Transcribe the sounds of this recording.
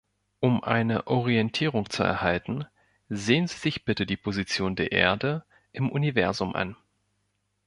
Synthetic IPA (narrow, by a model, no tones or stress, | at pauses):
ʔʊmʔa̰ɪnəʔɔʁiɛntʰiːʁ̞ʊŋt͡suɛ̰ɐhaltn̩ | zeːənziːzɪçb̥ɪtədiːpʰozit͡sjoːndeːɐʔḛːɐdə | ʔɪmʔunivɛɐzʊmʔa̰n